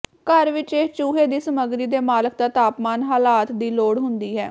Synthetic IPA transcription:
kəɾʋɪt͡ʃeːt͡ʃuːɦeːd̪iːsəməɡɾiːd̪eːmaːlək̚d̪aːt̪aːpmaːnɦaːlaːt̪d̪iːloːɽɦʊnd̪iːɦɛː

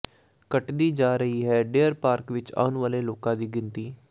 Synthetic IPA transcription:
kəʈd̪iːd͡ʒaːɾəɦiːɦɛːɖeːəɾpaːɾkʋɪt͡ʃa̰ːʊnʋaːleːloːkãːd̪iːɡɪnt̪iː

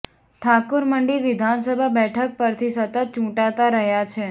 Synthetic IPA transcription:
ʈʰakuɾməɳɖiɾʋɪd̪ʱansəbʱabɛʈʰək̚pəɾt̪ʰisət̪ət̪̚t͡ʃũʈat̪aɾəɦjat͡ʃʰe

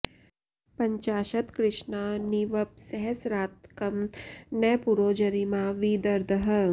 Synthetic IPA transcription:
pɐɲt͡ʃaːʃɐt̪kɾɪʃnaniʋɐp̚sɐɦɐsɾaːt̪kɐmnɐpuɾoːd͡ʒɐɾimaʋiːd̪ɐɾd̪ʱɐɦɐ

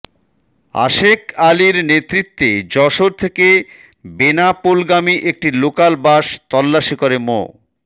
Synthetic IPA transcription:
a̰ʃekaliɾnet̪ɾit̪ːed͡ʑɔʃoɾt̪ʰeke | benapolɡamiʔek̚ʈilokalbaʃt̪ɔlːaʃikoɾemo̰

